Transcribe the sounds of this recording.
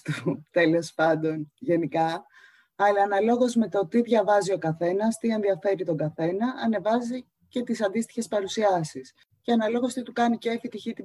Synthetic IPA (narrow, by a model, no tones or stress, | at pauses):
t̪ut̪e̞lo̞spɐnd̪o̞nʝe̞nikɐ | ɐlɐːnɐlo̞ɣo̞zme̞t̪o̞t̪iðʝɐvɐzio̞kɐθe̞nɐst̪ie̞nðiɐfe̞ɾit̪o̞ŋɡɐθe̞nɐʔɐne̞vɐzi | ce̞t̪isɐnd̪ist̪i̥çe̞spɐɾusiɐsis | ceɐnɐlo̞ɣo̞st̪it̪ukɐniceefit̪içit̪i